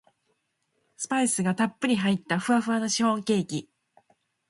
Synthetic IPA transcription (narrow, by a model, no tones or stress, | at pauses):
sɨ̥paisɨɡat̪apːɯɾʲiɦait̪ːaɸɯ̟aɸɯ̟ano̞ɕihõ̞ŋkʲe̞ːkʲi